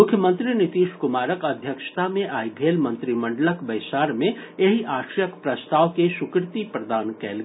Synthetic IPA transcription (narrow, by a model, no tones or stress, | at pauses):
mʊkʰjəmə̃nt̪ɾinɪt̪iːʃkʊmaːɾəkɐd̪ʱjəkʃt̪amẽʔaːibʱeːlmə̃nt̪ɾimə̃ɳɖələkbɐɪsaːɾmẽeɦiʔaːʃɾjəkpɾɐst̪aːʋkeʃʊkɾɪt̪ipɾəd̪aːnkɛ̰ːlː